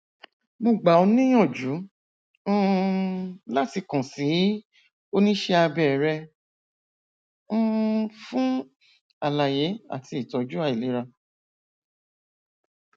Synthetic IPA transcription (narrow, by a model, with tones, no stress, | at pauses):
mo˧˨ɡ͡ba˨o˧nĩ˦j̃ɔ̃˦˨d͡ʒũ˨˦ | la˦ti˧kã˨si˨˦ | o˦nĩ˦ʃɛ˧a˧bɛ˦˨ɾɛ˧˦ | fũ˦ | a˨la˨je˨˦a̰˦˨tʰi˧i˨tɔ˨d͡ʒu˦a˦˨i˨li˨˦ɾa˧